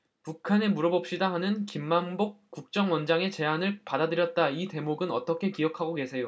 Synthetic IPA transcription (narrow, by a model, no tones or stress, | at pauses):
pukʰane̞muɾʌbʌp̚ɕ͈idahanɯnkimːambok͈̚ːuk̚t͡ɕ͈ʌŋwʌnd͡ʑaŋe̞t͡ɕe̞anɯɭpadadɯɾjʌt̚t͈aite̞moɡɯnʌt͈ʌkʰe̞kijʌkʰaɡoke̞sʰe̞jo